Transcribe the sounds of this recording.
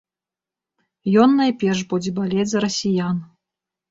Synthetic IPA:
jɔnːajpʲɛrʂbud͡zʲɛbalʲet͡sʲzɐɾɐsʲijan

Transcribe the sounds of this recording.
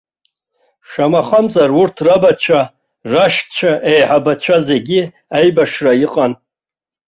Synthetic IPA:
ʂamaχamzarurtʰrabat͡ʃʷʰa | raʃkʼt͡ʃʷʰaʔejħabat͡ʃʷʰaze̞ɡʲi | ajbaʂrajiqʼan

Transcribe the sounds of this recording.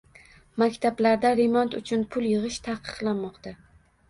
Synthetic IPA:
makʲt̪ʰablaɾd̪aɾemɒnt̪ʊ̰t͡ʃʰʊnpʰʊljɨʁɨʃt̪ʰaqʰɨ̥qlˠanmɒqt̪a

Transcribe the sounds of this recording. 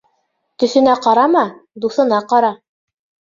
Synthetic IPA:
t̪ɵ̆θɘ̆næqɑɾɑmɑd̪uθɤ̆nɑqɑɾɑ

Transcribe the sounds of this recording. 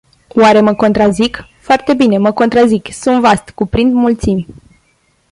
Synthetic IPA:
waɾe̞məko̞nt̪ɾazik | foart̪e̞bine̞məko̞nt̪ɾaziksunvast̪kupɾind̪mult̪simʲ

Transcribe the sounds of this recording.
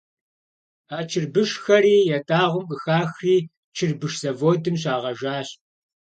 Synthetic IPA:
aːt͡ʃʰɪrbɨʃxɐɾiːjɛtʼaːʁʷʊmkʼɨxaːxriː | t͡ʃʰɪrbɨʃz̥ɐvoːdɨmɕ̬aːʁɐʒaːɕ

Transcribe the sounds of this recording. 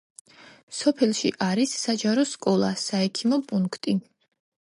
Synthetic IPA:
sɔpʰɛlˠʃḭʔaɾisːad͡ʒaɾɔskʼɔlˠa̰saɛkʰimɔpʼuŋkʰt̪ʼi

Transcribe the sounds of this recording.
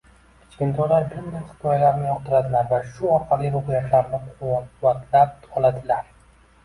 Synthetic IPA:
kʲʰɪ̥t͡ʃkʲɪnt̪ʰɒlaɾbɪɾd̪ɪlχɪ̥t̪ʰɒjalaɾnɪjɒqt̪ʰɪɾad̪ɪlaɾvaʃʊɒɾqʰɑlɪoqjaʃlaɾnɪqʰʊvːat̪ʰlap̚ɒlˠad̪ɪlaɾ

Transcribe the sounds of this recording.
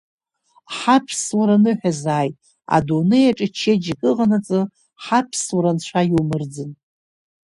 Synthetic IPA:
ħapʰswaɾanɨħᶣazaːjtʼ | a̰dunɨjaʈ͡ʂʼɨt͡ʃʰːed͡ʒikʼɨʁanat͡sʼɨ | ħapʰswaɾanʃʷʰajiwmɨrd͡zɨn

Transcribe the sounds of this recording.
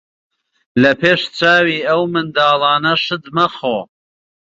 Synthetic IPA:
lɐpʰeːʃt͡saːwiːɐwmɨnd̪aːlˠɑːnɐʃɨd̪mɐxoː

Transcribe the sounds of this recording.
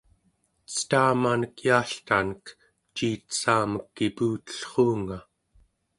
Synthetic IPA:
t͡sə̥t̪aːmanəkjaːɬt̪anək | t͡ʃiːt̪saːməkːipuːt̪ə̥ɬχuːŋa

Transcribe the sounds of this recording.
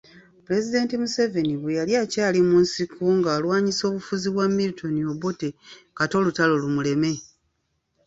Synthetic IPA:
ple̞zide̞ːntimuse̞ve̞niβejaljaːcaːlimuːnsikʰuŋɡaːlwaːɲiso̞ːβufuziβwamːilitʰo̞nio̞botekato̞ːlutalolumule̞me̞

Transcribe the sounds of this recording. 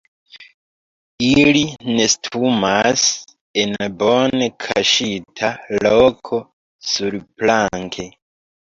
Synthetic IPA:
iline̞stʰumas | enbonekʰa̰ʃitʰalokʰo̞ | suɾplaŋkʰe̞

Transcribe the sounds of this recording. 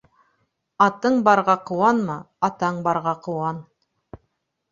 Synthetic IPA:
ɑt̪ɤɴbɑɾʁɑqɤ̆wɑnmɑ | ɑt̪ɑɴbɑɾʁɑqɤ̆wɑn

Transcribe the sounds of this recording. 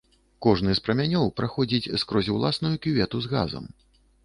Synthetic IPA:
kɔʐnɨspɾɐmʲanʲɔwpɾaxɔd͡zʲit͡sʲskɾɔzʲiwlˠasnujukʲivʲɛt̪uzɣa̰zɐ̰m

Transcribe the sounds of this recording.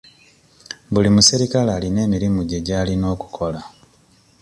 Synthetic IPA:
βulimusiɾikalaːline̞ːmiɾimuɟe̞ɟaːlino̞ːku̥kʰo̞la

